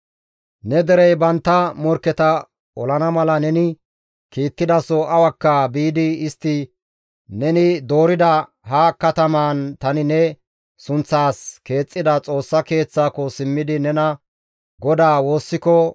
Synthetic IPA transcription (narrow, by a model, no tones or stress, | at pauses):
nɛd̪ɛɾɛjbɐnt̪ːɐmɔɾkːɛt̪ɐ | ɔlɐnɐmɐlɐnɛnɪ | kiːt̪ːɪd̪ɐsɔʔɐwɐkːɐbiːd̪ɪɪst̪ːɪ | nɛnɪd̪o̞ːɾɪd̪ɐ | ɦɐkɐt̪ɐmaːnt̪ɐnɪnɛ | sʊnt͡sːaːske̞ːt͡sʼːɪd̪ɐt͡sʼo̞ːsːɐke̞ːt͡sːaːkɔsɪmːɪd̪ɪnɛnɐ | ɡɔd̪aːwo̞ːsːɪkɔ